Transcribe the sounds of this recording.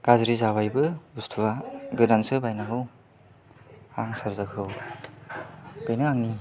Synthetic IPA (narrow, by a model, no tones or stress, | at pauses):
ɡ̥azɾizaβajbɯustʰuwaɡɯdansɯbajnaŋɯw | aŋsaɾzakʰɯw | b̥ejnɯaŋni